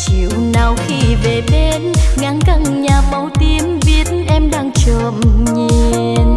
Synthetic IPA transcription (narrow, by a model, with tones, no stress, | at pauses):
t͡ɕi˧˨əwnaː˨˩wxi˧ve˨˩ɓe˧nŋa˨˧˦ŋka˧˩ŋɲaː˨˩ɓa˨˦wt̪i˧˩əmvi˨˦ət̚nʔɛ˧mɗaː˧ŋt͡ɕəː˧˨˩mɲi˧˩ | n